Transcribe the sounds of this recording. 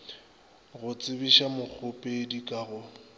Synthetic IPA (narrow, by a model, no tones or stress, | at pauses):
ɣʊt͡sʼɪbiʃamʊk͡xʰʊpʼedikʼaːɣʊ